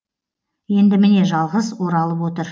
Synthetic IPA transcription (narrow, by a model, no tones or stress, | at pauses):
je̞nd̪ɪmɪne̞ʒɑlˠʁəzwo̞ɾɑlˠəpwot̪əɾ